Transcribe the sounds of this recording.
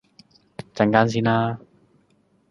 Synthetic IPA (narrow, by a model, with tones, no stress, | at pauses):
t͡sɐ˨˧˩ŋkaː˥ns̬iː˥naː˦˥